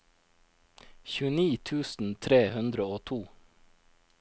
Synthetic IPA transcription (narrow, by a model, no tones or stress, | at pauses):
çʉːəniːt̪ʰʉːsn̩t̪ʰɾeːhʉnd̪ɾəoːt̪ʰuː